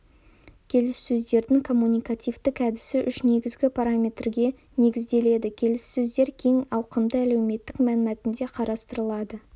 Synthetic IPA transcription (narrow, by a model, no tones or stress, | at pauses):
kʲʰe̞lɪsːɵzd̪e̞ɾd̪ɪŋkʰo̞mːunʲijkat̪ijvt̪ɪkæd̪ɪsɪʔʏʃne̞ɡʲɪzɡʲɪpʰaɾamʲe̞t̪rɡʲe̞ | ne̞ɡʲɪzd̪e̞le̞d̪ɪkʲʰe̞lɪsːɵzd̪e̞ɾkʲʰe̞ŋɑwqəmd̪əæle̞wme̞t̪ːɪkmænɪmæt̪ɪnd̪e̞qʰɑɾɑst̪əɾəlˠɑd̪ə